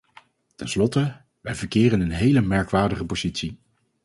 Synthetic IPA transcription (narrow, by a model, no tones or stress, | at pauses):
tɛnslɔtə | ʋɛjvəɹkɪːrənənɦejləmɛɹkʋaːɹdəχəpoz̥itsi